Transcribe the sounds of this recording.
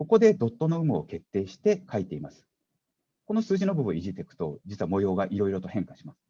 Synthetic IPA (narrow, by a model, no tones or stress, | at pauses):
ko̞ko̞d̪e̞d̪o̞t̪ːo̞no̞ɯ̟mɯ̟oke̞t̪ːe̞ːɕi̥t̪e̞kait̪e̞imasɨ̥ | ko̞no̞sɨːʑino̞bɯ̟bɯ̟̃iʑit̪e̞kɯ̟̥t̪o̞̰d͡ʑit͡sɨβamo̞jo̞ːɡaʔiɾo̞iɾo̞t̪o̞hẽ̞ŋkaɕi̥masɨ̥